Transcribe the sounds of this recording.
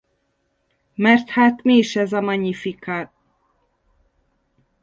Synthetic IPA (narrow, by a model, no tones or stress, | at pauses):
mɛrt̪haːt̪miːʃɛzɒmɒɲifikaːt